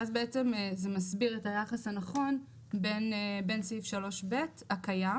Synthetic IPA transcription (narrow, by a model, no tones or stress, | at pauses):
azbeet͡se̞mzemasbiʁetajaχashanaχo̞n | be̞nbe̞nsifʃalo̞ʃbe̞thakaja